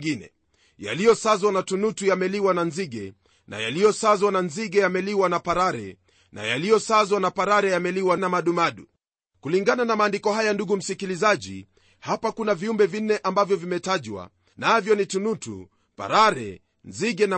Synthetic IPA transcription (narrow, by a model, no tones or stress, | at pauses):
ɡinɛ̰ | ja̰lijɔsazwanatunutujamɛliwananziɡɛ | na̰jalijɔsazwananziɡɛjamɛliwanapaɾaɾɛ̰ | na̰jalijɔsazwanapaɾaɾɛjamɛliwanamaɗumaɗu | kuliŋɡananamaːndikɔɦajanduɡum̩sikilizaʄḭ | hapakunaviumbɛvin̩ːɛʔambavjɔvimɛtaʄwa̰ | navjɔnitunutṵ | pa̰ɾaɾɛ̰ | nziɡɛn